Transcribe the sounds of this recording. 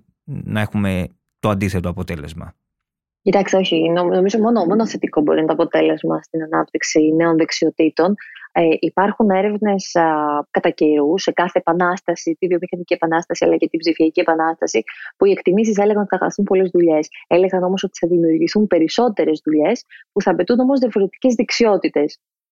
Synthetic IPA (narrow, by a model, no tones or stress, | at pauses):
nɐe̞xume̞ | t̪oɐnd̪iθet̪oɐpot̪e̞le̞zmɐ̰ | cit̪ɐkst̪e̞o̞çiinno̞mizo̞mo̞nomo̞noθe̞t̪iko̞bo̞̰ɾinɐt̪oɐpo̞t̪e̞le̞zmɐst̪inɐnɐp̚t̪iksine̞o̞nðeksio̞t̪it̪o̞neʔipɐɾxune̞ɾe̞vne̞skɐt̪ɐceɾuse̞kɐθe̞ːpɐnɐst̪ɐsit̪ivio̞mixɐnicie̞pɐnɐst̪ɐsiɐ̰lɐcet̪ibzifiɐciepɐnɐst̪ɐsipuie̞kt̪imis̬is̬ele̞ɣɐnθɐxɐ̰st̪umpo̞le̞zðuʎe̞sele̞ɣɐno̞mo̞sot̪i̥θɐðimiuɾʝiθumpe̞ɾiso̞t̪e̞ɾe̞zðuʎe̞spuθɐːpe̞t̪uno̞mozðiɐfo̞ɾe̞t̪i̥ce̞zðeksio̞t̪it̪e̞s